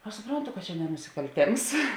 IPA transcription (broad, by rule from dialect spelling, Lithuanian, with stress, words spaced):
ɐʃ sʊˈproːntʊ kɐt t͡ʃʲɛ nʲɛ nʊsʲɪkɐlʲˈtʲeːms